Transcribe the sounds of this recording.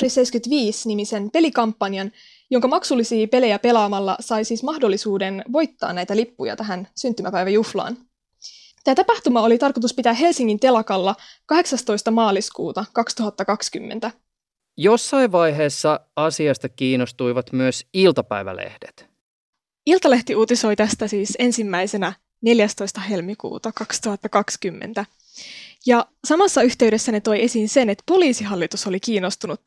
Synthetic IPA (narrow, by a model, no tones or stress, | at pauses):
risejskyt̪ʋiːsnimise̞npe̞likɑmpːɑnjɑn | joŋkɑmɑksulːisiːpe̞le̞jæpe̞lɑːmɑlːɑ̰sɑjsiːsmɑhdo̞lːisuːde̞nʋo̞jt̪ːɑ̰ːnːæjt̪ælipːujɑ̰t̪æɦænsynt̪ːymæpæjʋæjuflɑ̰ːn | t̪æːt̪ɑpɑht̪umɑo̞lit̪ɑrko̞t̪̬uspit̪æːɦe̞lsiŋːint̪e̞lɑkɑlːɑkɑɦe̞ksɑst̪o̞jst̪ɑmɑːliskṵːt̪ɑkɑkst̪uɦɑt̪ːɑkɑkskymːe̞̰nt̪æ | josːɑiʋʋɑjɦeːsːɑ | ɑsiɑst̪ɑkiːnost̪ujʋɑt̪myøsilt̪ɑpæ̰jʋæ̰lḛhdet̪ | ilt̪ɑle̞ht̪iuːt̪iso̞jt̪æst̪æsiːse̞nsimːæjse̞næ | ne̞ljæst̪o̞jst̪ɑɦe̞lmikṵːt̪ɑkɑkst̪uhɑt̪ːɑkɑkskymːḛnt̪æ | jɑ | sɑmɑsːɑyht̪e̞yɥɾesːæne̞t̪o̞je̞sinse̞net̪poliːsiɦɑlːit̪uso̞likiːnːo̞st̪unut̪